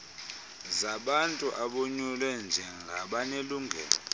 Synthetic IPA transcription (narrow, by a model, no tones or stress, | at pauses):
zaɓantʼuʔaɓoɲulwɛnd͡ʒʱɛŋɡʱaɓaneluːŋɡʱɛ̰ːlɔ